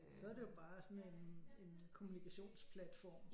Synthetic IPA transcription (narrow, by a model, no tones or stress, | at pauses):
sɒ̽æɐde̝jo̝b̥ɑ̈ːsɒ̽nene̝nkʰo̝munikʰæɕo̝̰ːnspʰlæd̥fɒ̰ːm